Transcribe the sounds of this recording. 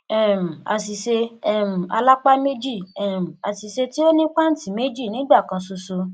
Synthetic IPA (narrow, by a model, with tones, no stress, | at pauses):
ɛ˦˨m̩˨a̰˨si˨ʃe˧ɛ˦˨m̩˨a˧la˦k͡pa˦me˦d͡ʒi˦˨ɛ˨m̩˨a˨si˨se˧ti˦o˦nĩ˦k͡pa˦n̩˦ti˦˨me˦d͡ʒi˦˨nĩ˨˦ɡ͡ba˦˨kã˧so˧so˧